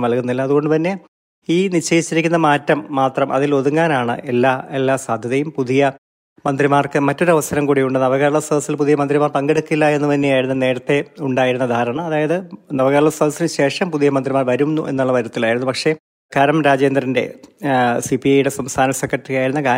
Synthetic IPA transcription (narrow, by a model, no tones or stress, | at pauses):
ʋɐlkunːilːɐːðuɣo̞ɳɖɨt̪ɐnːe̞ | iːnit͡ɕːejit͡ɕːiɾikʲːunːɐmaːtːɐmːaːt̪rɐmʔɐðilo̞ðuŋːaːnaːɳɨ̰ʔelːaːelːaːsaːd̪ʱjɐðɐjumpuðijɐ | mɐnd̪rimaːrkɨmɐtːo̞ɾuɐʋɐsɐɾɐmkuːɽijuɳɖɨnɐʋɐɣɐɾɐɭɐsɐd̪ʱɐsilpuðijɐmɐnd̪rimaːrpɐŋɡeɽukːilːɐe̞nːup̪ɐnːejaːjiɾunːɐne̞ːɽɐt̪ːe̞uɳɖaːjiɾunːɐd̪ʱaːɾɐɳɐmɐðaːjɐðɨnɐʋɐɣɐɾɐɭɐsɐd̪ʱɐsinɨɕe̞ːʂɐmpuðijɐmɐnd̪rimaːrʋɐɾumnːuʔe̞̰nːuɭːɐʋɐɾɐt̪ːilaːjiɾunːupɐkʂe̞ | kɐɾɐmɾaːd͡ʑe̞ːnd̪rɐnde̞̰ | sipiɐjuɽe̞sɐmst̪ʰaːnɐsekːɐʈːriɣaːjiɾunːɐka